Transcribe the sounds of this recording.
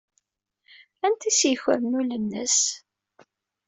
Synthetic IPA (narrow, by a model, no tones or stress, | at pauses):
ænt̪isjəçə̰ɾnulənːə̰s